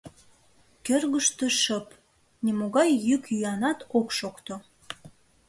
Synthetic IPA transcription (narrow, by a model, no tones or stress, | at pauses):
kørɣəʃt̪əʃəp | nemoɣɑjːykjyɑnɑt̪okʃokt̪o